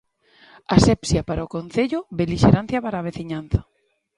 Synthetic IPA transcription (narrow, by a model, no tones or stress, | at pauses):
asɛpsjapaɾaokon̟θeʎʊβeliʃeɾan̟θjapaɾaːβ̞eθiɲanθḁ